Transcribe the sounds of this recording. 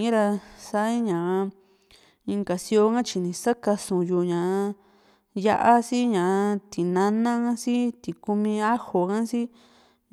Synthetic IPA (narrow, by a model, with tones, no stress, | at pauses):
ɾa˧sa˦ĩ˦ɲã˨˧ | ĩ˧ŋka˨si˧˦o˧ŋã˦t͡ʃi˧nĩ˨sa˦ka˧sũ˨˧ju˧˨ɲã˨ʔa˧ | ja̰˦ʔa˧si˦ɲã˨ʔt̪i˨nã˧nã˦ã˦si˦t̪i˨ku˧mĩ˧a˦ho˨kã˦si˦